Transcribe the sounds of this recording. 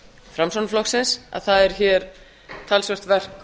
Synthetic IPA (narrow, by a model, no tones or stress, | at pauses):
fɾamsɔnflɔksɪnsa̰ðθaðɛɾ̥çɛɾ̥ | t̪ʰalsvœr̥t̪vɛr̥k